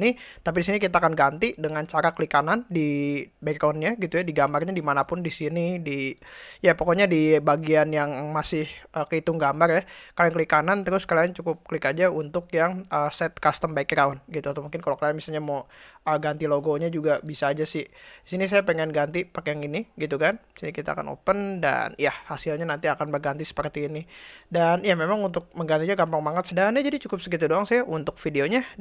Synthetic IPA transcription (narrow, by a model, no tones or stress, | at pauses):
nit̪ap̬idisinik̬it̪aːkanɡant̪idəŋant͡ʃaɾakəlikanandibaikɾaunɲaɡit̪ujadiɡambarɲadimanapʊndisinidijapokoɲadibaɡianjaŋmasɪhəkəit̪ʊŋɡambarjakalijaŋkəlikanant̪əɾʊskaliaŋt͡ʃukʊp̚kəlikad͡ʒaunt̪ʊkjaŋʔəsɛt̪̚kast̪əmbaikɾaunɡit̪uat̪amuŋkɪnkalokalianmisalɲamoəɡant̪iloɡoɲad͡ʒuɡabisaːd͡ʒasɪhisinis̬ajapəŋɛnɡant̪ipakejaŋiniɡit̪̬ukandisinikit̪a̰a̰ka̰nʔo̰pənda̰njahasilɲanant̪iakanbərɡant̪isə̥pərt̪iːnidanjamemaŋunt̪ʊk̚məŋɡant̪iɲaɡampaŋmaŋət̪̚sədanjad͡ʒadit͡ʃukʊp̚sək̬it̪udoaŋsajaʔunt̪ʊk̚fideoɲa